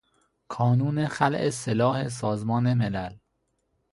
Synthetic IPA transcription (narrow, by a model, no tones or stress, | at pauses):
kʰɒːnuːneχælʔeselɒːhe̞s̬ɒːzmɒːnemelæl